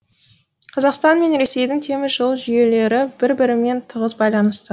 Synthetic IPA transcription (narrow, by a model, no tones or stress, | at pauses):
qʰɑzɑqst̪ɑnme̞nɾe̞se̞jd̪ɪŋt̪ʰe̞mɪzʒəlˠʒʏje̞le̞ɾɪbɪɾbɪɾɪme̞nt̪ʰəʁəzbɑjlˠɑnəst̪ə